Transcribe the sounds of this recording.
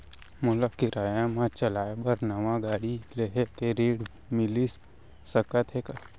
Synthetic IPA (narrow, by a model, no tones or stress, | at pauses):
mʊləkɪɾaːjãmãt͡ʃəlaːebəɾnɐʋãɡaːɽileɦet̪eɾeːɽ | mɪlis | səkət̪ʰɦeka